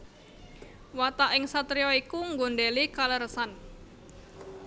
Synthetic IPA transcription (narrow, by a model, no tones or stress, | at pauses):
wat̪aʔɪŋsat̪ɾiɔikuŋɡonɖelikaləɾəsan